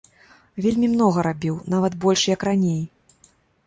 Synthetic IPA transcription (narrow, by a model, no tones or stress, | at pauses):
vʲelʲmʲimnɔɣɐɾabʲiwnavɐt̪bɔlʲʂjɐkranʲej